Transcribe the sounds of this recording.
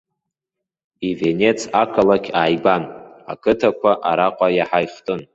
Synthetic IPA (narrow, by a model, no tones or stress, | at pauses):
ive̞ne̞t͡sʰakʰalakʲʰaːjban | a̰kʰɨtʰakʷʰaʔaɾaqʷʼajaħajχtʼɨn